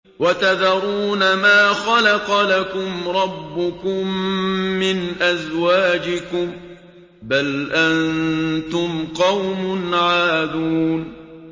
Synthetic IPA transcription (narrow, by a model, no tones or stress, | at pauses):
wat̪aðɑɾˤuːnamaːxɑlaqɑlakʊmɾˤɑbːʊkʊmː | ɪnʔazwaːd͡ʒɪkʊm | balʔannt̪ʊmqɑwmʊnʕaːd̪uːn